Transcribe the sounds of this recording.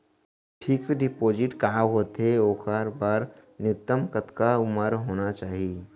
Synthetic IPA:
ʈʰiːkseɖɪpoːd͡ʒɪʈkaːɦoːt̪ɦeoːxəɾbaːɾnɪt̪ːəmkət̪kaʊməɾɦoːnat͡ʃaːɦieː

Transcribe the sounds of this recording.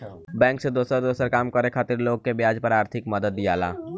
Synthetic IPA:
bɛ̃ːŋksed̪oːsəɾd̪oːsəɾkaːmkəɾekʰaːt̪ɪɾloːɡ̚kebjaːd͡ʒpɐɾaːɾt̪ʰɪkmɐd̪əd̪ːijaːla̰ː

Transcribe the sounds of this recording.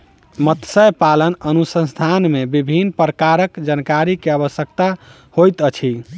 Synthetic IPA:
mət̪səjpalənənusə̃nst̪ʰanmebibʱinpɾəkaɾəkd͡ʒankaɾikeaβəsjəkt̪a | hojt̪ət͡ʃʰi

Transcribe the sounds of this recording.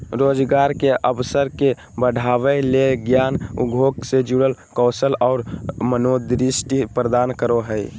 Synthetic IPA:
ɾoːd͡ʒɡaːɾkeʔəbsəɾke | bəɽ̤ʱaːʋeleɡjaːnṵɡʱoːɡsed͡ʒuːɽəlkɔːsəlɔːɾmənoːd̪ɾɪsʈipɾəd̪aːnkəɾoɦɛi

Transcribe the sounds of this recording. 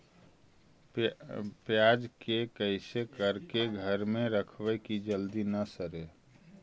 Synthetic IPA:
pjad͡ʒkekəɪsekəɾkeɡʱəɾmẽɾəkʰʋəkid͡ʒəld̪inəsəɾe

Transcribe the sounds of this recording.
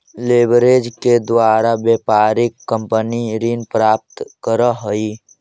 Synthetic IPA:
leːbɾed͡ʒked̪waːɾabjeːpaːɾɪkːə̃mpəniɾiːnpɾaːp̚t̪kəɾəɦəi

